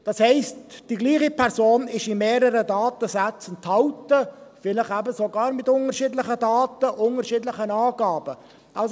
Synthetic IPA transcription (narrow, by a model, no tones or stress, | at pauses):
d̥ɑshɛɪstd̥iɡliːχipæɾzoːnɪʃɪmeːɾəɾədɑːt̪əsæt͡sənt̪hɑʊtəfɪlɪχæbəsoɡɑːɾmɪtʊŋəɾʃiːdlɪχədɑːtəʔʊŋəɾʃiːdlɪχənɑːɡɑːb̥ə | ʔɑls